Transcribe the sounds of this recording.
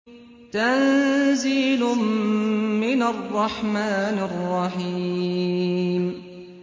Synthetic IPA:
t̪anziːlʊmː | ɪnarˤːɑħmaːnɑrˤːɑħiː | m

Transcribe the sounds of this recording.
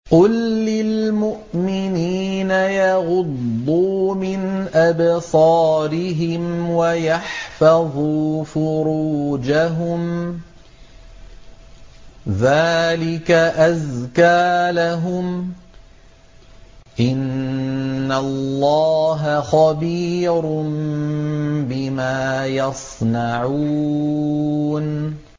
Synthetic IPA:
qʊlːɪlmʊʔmɪniːnajaɑɣʊd̪ːuːmɪnʔabsˤɑːɾɪɦɪmwajaħfɑðˤuːfʊɾuːd͡ʒaɦʊm | ðaːlɪkaʔazkaːlaɦʊm | ʔɪnː | allːɑːɦaxɑbiːɾʊn | bɪmaːjɑsˤnaʕuː | n

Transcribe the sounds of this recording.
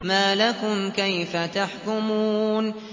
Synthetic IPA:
maːlakʊmkajfat̪aħkʊmuːn

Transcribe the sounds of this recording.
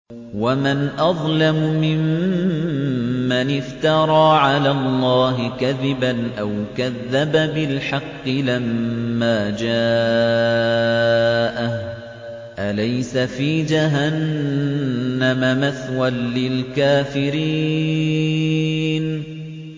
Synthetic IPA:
wamanʔɑðˤlamʊmɪm | anɪft̪ɑɾˤɑːʕalaːlˤːɑːɦɪkaðɪbanʔawkaðːababɪlħɑqːɨlamːaːd͡ʒaː | ʔah | ʔalajsafiːd͡ʒaɦan | amamaθwanlɪlkaːfɪɾiː | n

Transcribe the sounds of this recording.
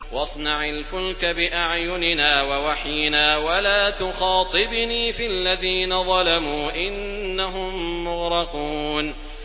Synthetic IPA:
wɑsˤnɑʕalfʊlkabɪʔaʕjʊnɪnaːwawaħjɪnaːwalaːt̪ʊxɑːt̪ˤɨbniːfialːaðiːnaðˤɑlamuːʔɪnː | aɦʊmːʊɣɾɑquːn

